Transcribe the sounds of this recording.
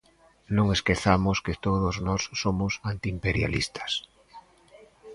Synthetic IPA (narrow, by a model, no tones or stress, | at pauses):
nõŋeskeθamosket̪oðoznɔsːomosant̪iːmpeɾja̰lḭst̪ḁs